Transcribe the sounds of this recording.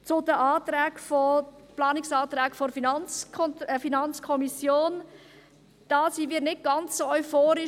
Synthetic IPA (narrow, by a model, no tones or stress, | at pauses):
t͡sʊdəʔaːtɾɛːkfɔplɑːnɪksɑːt̪ɾɛːkfoɾfinɑnt͡skʰɔnəfinɑnt͡skʰɔmisjoːn | d̥ɑːsimiːɾnɪt̚ɡ̥ɑnt͡ssoɔʏfoːɾɪ